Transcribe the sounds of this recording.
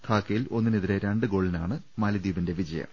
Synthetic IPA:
t̪ʰaːkːɐjilo̞nːiniðiɾeɾeɳɖɨɡo̞ːɭinaːɳɨ | mɐlɐd̪iːbɐnde̞ʋid͡ʑɐjɐ̰

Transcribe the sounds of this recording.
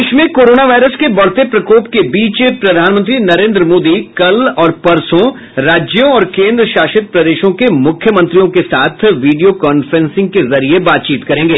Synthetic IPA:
ʃmẽkoːɾoːnaʋaːɪɾəskebɐɽ̤t̪epɾɐkoːpkebiːt͡ʃpɾɐd̪ʱaːnmə̃nt̪ɾinɐɾẽːnd̪ɾəmoːd̪ikɐlɔːɾpɐɾsõ | ɾaːd͡ʒjõɔːɾkẽːnd̪ɾəʃaːʃɪt̪̚pɾɐd̪eːʃõkemʊkʰːjəmɐ̃nt̪ɾijõkesaːt̪ʰʋiːɖijokɔːnfɾɛ̃nsɪ̃ŋɡ̚kezɐɾiebaːt̪̚t͡ʃiːt̪kɐɾẽːŋɡeː

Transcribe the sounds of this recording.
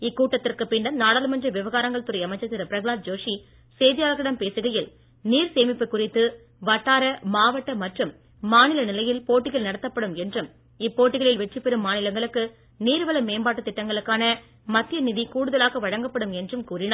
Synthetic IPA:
ɪkːuːʈːɐt̪ːɪrkɯpɪɳɖɐnnaːɽaːlɯmɐndrɐʋɪʋɐɣaːɾɐŋɡɐɭt̪ʊɾɐɪɐmɐɪt͡ʃːɐt̪ːɪɾɐpɪɾɐɣɯɭaːɾ̚d͡ʒoːʂi | seːðɪjaːlɐɣɐɽɐmpeːsɯɣɐjɪl | niːɾseːmɪpːɯkʊrɪt̪ːɯ | ʋɐʈːaːɾɐmaːʋɐʈːɐmɐʈrɯmː | aːnɪlɐnɪlɐjɪlpoːʈːɪɣɐɭnɐɽɐt̪ːɐpːɐɽɯmɛndrɯm | ɪpːoːʈːɪɣɐɭɪlʋɛʈrɯpːɛɾɯmːaːnɪlɐŋɡɐɭɯkːɯ | niːɾʋɐlɐmeːmbaːʈːɯt̪ːɪʈːɐŋɡɐɭɯkːaːnɐ | mɐt̪ːɪjɐnɪðikuːɽɯðɐlaːɣɐʋɐɻɐŋɡɐpːɐɽɯmɛndrɯmkuːrɪnaːɾ

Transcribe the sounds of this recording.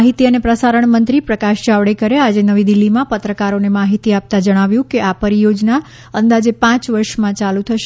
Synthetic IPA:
ɦit̪iənepɾəsaɾəɳ̃mənt̪ɾipɾəkaʃd͡ʒaʋɽekəɾead͡ʒenəʋid̪ilːimãpət̪ɾəkaɾonemaɦit̪iap̚t̪ad͡ʒəɽ̃aʋjũkeʔapəɾijod͡ʒna | ənd̪ad͡ʒepãt͡ʃʋəɾʃmãt͡ʃalut̪ʰəʃ

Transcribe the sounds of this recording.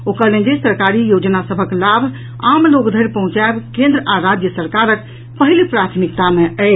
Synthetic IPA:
okəlẽnd͡ʒesəɾkaɾijod͡ʒnasəbʱəklabʱ | amloɡd̪ʱəɾpəɦũt͡ʃaebkẽnd̪ɾəaɾad͡ʒjəsəɾkaɾək | pəɦilpɾat̪ʰmikt̪ameəj

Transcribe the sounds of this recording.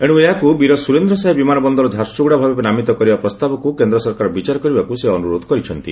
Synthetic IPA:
eɽ̃ũeɦakubiɾɔsuɾend̪ɾɔsaɦebimanɔbɔnd̪ɔɾɔd͡ʒ̪ʱaɾsuɡɽabʱabepenamit̪ɔkɔɾibapɾɔst̪abɔkukend̪ɾɔsɔɾkaɾɔbit͡ʃaɾɔkɔɾibakuseɔnuɾod̪ʱɔ̥kɔɾit͡ʃʰɔnt̪ḭ

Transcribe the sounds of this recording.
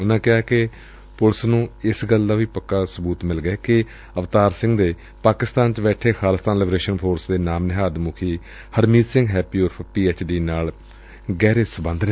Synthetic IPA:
ʊnãːkɪaːkɪ | pʊlsnũːɪsɡəld̪aːʋiːpəkːaːsəbuːt̪mɪlɡɛːkɪ | əʋt̪aːɾsɪ̃ŋɡd̪eː | paːkɪst̪aːnt͡ʃbɛːʈʰeːxʰaːləst̪aːnlɪbɾeːʃənpʰoːɾsd̪eːnaːmnɪɦaːd̪mʊkʰiː | həɾmiːd̪sɪ̃ŋɡɦɛːpiːoːɾpʰpiːeːt͡ʃɖiːnaːl | ɡɛːɾeːsəbə̃nd̪ɾ

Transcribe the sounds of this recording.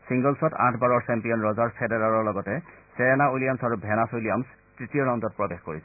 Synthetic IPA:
siŋɡɔlsɔtã̰tʰbaɹɔɹsɛmpijɔnɹɔzaɹpʰedɛɹaɹɔɹlɔɡɔtɛseɹɛnaulijamsaɹubʱɛnasolijams | tɹitijɔɹɔnzɔt̚pɹɔbexkoɹisɛ

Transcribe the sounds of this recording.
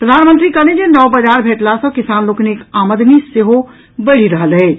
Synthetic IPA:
pɾəd̪ʱanmə̃nt̪ɾikəlẽd͡ʒenɔʋbəd͡ʒaɾbʱeʈlasə̃kisanlokneekaməd̪niseɦo | bəɽ̤iɾəɦəlɦɛ

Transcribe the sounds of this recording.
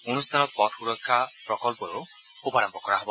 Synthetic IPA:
onust̪ʰanɔpɔtxuɾɔkʰːapɾɔkɔlpɔɾo | xupaɾɔmbɔkɔɾaɦɔbɔ

